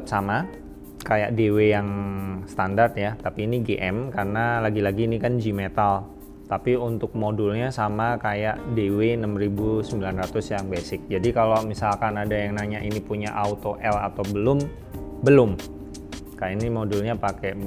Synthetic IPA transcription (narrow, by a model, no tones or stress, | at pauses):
t̪sama | kaja̰ʔdewejaŋst̪andart̪jat̪apiːniɡeʔɛmkarnalaɡilaɡiːnikand͡ʒimet̪al | t̪apiunt̪ʊk̚modulɲasamakajaʔdewenəmɾibusəmbilanrat̪ʊsjaŋbesɪk̚d͡ʒadikalomisalkanadajaŋnaɲaʔinipuɲaʔaut̪oʔɛla̰t̪awbəlʊm | bəlʊm | kajainimodulɲapakɛ